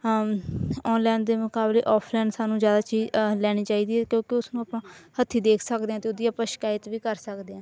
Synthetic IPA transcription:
ɔːnlɛːnd̪eːmʊkaːblḛːʔɔːpʰlɛːɳɖsaːnũːzjaːd̪aːt͡ʃiːzlɛːɽ̃iːt͡ʃaːiːd̪iːɦɛːkjõːkɪʊsnũːaːpnãːhət̪ʰːiːd̪eːkʰsəkd̪eːãːt̪eoːd̪ɪjaːpəʃkaːjɪt̪ʋiːkəɾsəkd̪eːãː

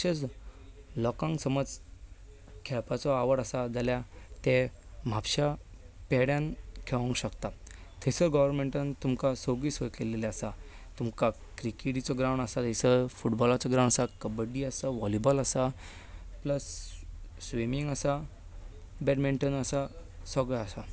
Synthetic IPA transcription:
ɕet͡s | lɔkãŋksəməd͡z | kʰɛɭpat͡sɔaʋəɽasad͡zaljat̪ɛm̤apɕa | pɛɽjãnkʰeʋãŋkɕəkt̪a | t̪ʰesəɡɔʋəɾmẽɳʈant̪umkasoɡisʋəjkeleleasa | t̪umka | kɾikeʈit͡sɔɡɾawɳasat̪esəfuʈbɔlat͡sɔɡɾãw̃ɳasakəbəɖiasaʋɔlibɔlasa | pləsː | ʋimiŋɡasa | bɛʈmiɳʈənəsasəɡɭɛasa

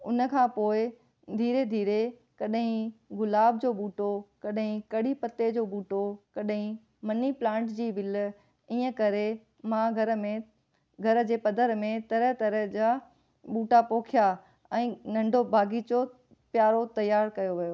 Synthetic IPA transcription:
ʊnə̆kʰãːpoːɪ | d̪ʱiːɾed̪ʱiːɾe | kɐɗɦĩɣʊlaːb̚d͡ʑoːɓuːʈokɐɗɦĩkɐɽipɐt̪ed͡ʑoːɓuːʈokɐɗɦĩ | mɐniplãːʈd͡ʑiːʋɪl | iːə̃kɐɾe | mãɡʱɐɾmẽ | ɡʱɐɾə̆d͡ʑeːpɐd̪əɾmẽt̪ɐɾəɦt̪ɐɾəɦd͡ʑa | ɓuːʈapoːkʰija | ɛ̃ːnɐ̃ɳɖʱobʱaːɡit͡ɕo | pjaːɾot̪ɐjaːɾkɐjoʋijoː

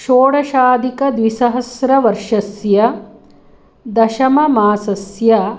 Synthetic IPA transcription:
ʃoːɽɐʃaːd̪ikɐd̪ʋisɐɦɐsɾɐʋɐɾʂɐsjɐ | d̪ɐʃɐmɐmaːsɐsjɐ

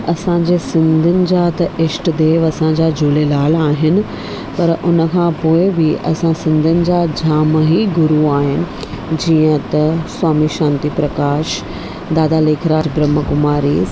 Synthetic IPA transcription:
ɐsãd͡ʑeːsɪ̃nd̪ʱʊnɪ̆d͡ʑat̪ɐʔɪʃʈd̪eːʋɐsãd͡ʑad͡ʑuːlelaːlaːɦɪnɪ̆ | pɐɾʔʊnə̆kʰãpoːɪbɪʔɐ̰sãsɪ̃nd̪ʱʊnɪ̆d͡ʑad͡ʑʱaːməɦiɡʊɾuaːɦɪnɪ̆ | d͡ʑiːə̃t̪ɐswaːmiʃãːnt̪ipɾɐkaːʃ | d̪aːd̪aleːkʰɾaːd͡ʑbɾəməkʊmaːɾiː

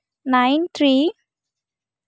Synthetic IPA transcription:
najnt̪ʰɾi

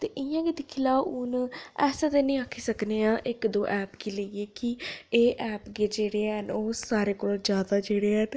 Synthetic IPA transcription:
t̪eːʔɪjãːɡid̪ɪkʰilaːʊnɛːsãt̪eːnĩːaːkʰiːsəkneːãːʔɪkd̪oːʔɛːpkiːləieːkieːʔɛːpɡeːd͡ʒeːɽeːənoːsaːɾeːkoːlːd͡ʒjaːd̪aːd͡ʒeːɽeːɦən

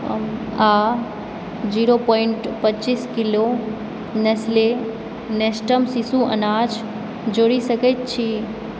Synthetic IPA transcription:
a | d͡ʒiɾopɔɪɳʈpətːt͡ʃiskilo | nesle | nesʈəmsisuʔə̰nad͡ʒ | d͡ʒoɽisəkət̪̚t͡ʃʰi

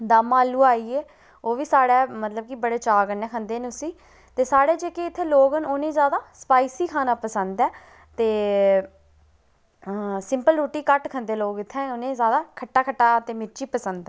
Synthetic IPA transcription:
d̪aːmaːlːuːaːiːeː | oːʋiːsaːɽɛːmət̪ləb̚kibəɽeːt͡ʃaːɡənɛːkʰənd̪eːnʊsiː | t̪eːsaːɽeːd͡ʒeːkeɪt̪ʰːeːloːɡənoːnẽːzjaːd̪aːsə̥paːiːsiːkʰaːnaːpəsənd̪ɛː | t̪eː | sɪmpəlɾuːʈiːkəʈkʰənd̪eːloːɡɪt̪ʰːɛ̃ːʊnẽːzjaːd̪aːkʰəʈːaːkʰəʈːaːt̪eːmɪɾt͡ʃiːpəsənd̪ɛː

